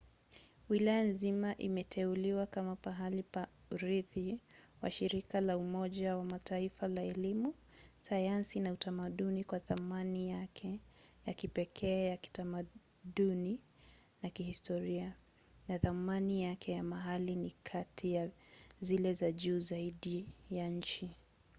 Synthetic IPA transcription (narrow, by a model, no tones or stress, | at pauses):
wilajanzimaʔimɛtʰɛuliwakamapaɦalipa | ɾiθiwa̰ʃiɾikalaumɔʄawamatʰaifalaɛlimu | sajansinautamaɗunikwaθamanijakʰɛjakipɛkʰɛːjaki̥tama | ɗuni | nakihistɔɾia | naθamanijakʰɛjamaɦalinikʰatʰijazilɛzaʄuːzaiɗijaɲ̩t͡ʃi